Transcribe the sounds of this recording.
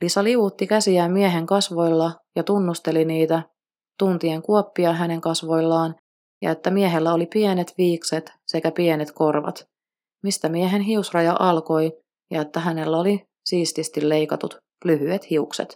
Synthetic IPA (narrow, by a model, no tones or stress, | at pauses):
lisɑliuʋut̪ːikæsiæːmmːieɦe̞ŋkɑsʋo̞jlːɑ | jɑt̪unːust̪e̞liniːt̪æ | t̪unt̪ie̞ŋkuopːiɑɦæne̞ŋkɑsʋo̞jlːɑːn | jɑ̰e̞t̪ːæmieɦelːæo̞lipiene̞t̪ʋiːkse̞t̪sekæpienet̪ko̞rʋɑ̰t̪ | mist̪æmieɦe̞nɦiusrɑjɑʔɑlko̞j | jɑe̞t̪ːæɦæne̞lːæo̞li | siːst̪ist̪ilːe̞jkɑt̪ut̪ | lyɦyet̪hiuksḛt̪